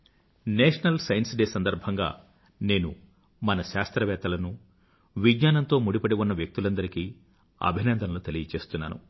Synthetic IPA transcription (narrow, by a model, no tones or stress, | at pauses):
neːʂɐnɐlsɐjnsiɖeːsɐnd̪ɐɾbʱɐŋɡa̰ː | ne̞ːnu | mɐnɐʃaːst̪ɾɐʋɛːt̪ɐlɐnu | ʋidɲaːnɐnt̪o̞ːmuɽipɐɽeʋunːɐʋjɐk̚t̪ulɐnd̪ɐɾiki | ɐ̰bʱinɐnd̪ɐnɐlut̪e̞lijɐt͡ʃe̞ːst̪unːa̰ːnṵ